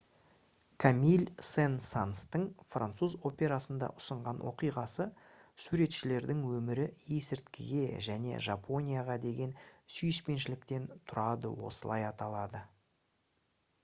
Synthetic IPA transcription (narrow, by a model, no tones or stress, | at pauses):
kʰamilʲsensanst̪əɴfra̰nt̪suzo̞pʲe̞ɾasənd̪ɑ̰ʔʊ̥səɴʁɑnwʔo̞̰qijʁɑsə | suɾe̞t̪ʃɪle̞ɾd̪ɪŋwɵmɪɾɪjesɪɾt̪kʲɪɡʲe̞ʒæne̞̰ʒapʰo̞nʲijaʁɑd̪e̞ɡʲe̞nsʏjɪʃpe̞nʃɪlɪkt̪e̞nt̪ʰʊɾɑd̪ə̰wo̞̰səlˠɑjɑt̪ɑlˠɑd̪ə